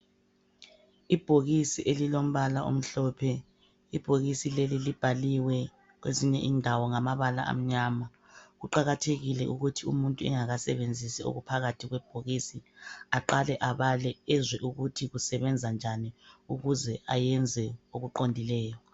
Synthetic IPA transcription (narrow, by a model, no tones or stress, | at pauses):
ib̥ʱoɣisiʔelilom̩βalaʔo̰m̩ɬɔːpʰɛ | ib̥ʱoɣisilelilib̥ʱaliwɛ | ɣ̬weziɲɛʔiːndʱawɔŋamaβala̰ʔa̰m̩ɲama | ɣuǃaɣatʰeɣilɛʔuɣutʰiumuntʼuɛ̰ŋaɣasɛβend͡zʱisio̰ɣupʰaɣatʰiɣwɛb̥ʱoɣisiaǃalɛʔaβalɛɛzwɛʔuɣutʰiɣusɛβɛnd͡zʱand͡ʒʱaniuɣuzɛajɛnd͡zʱɛoɣuǃondʱilɛːjɔ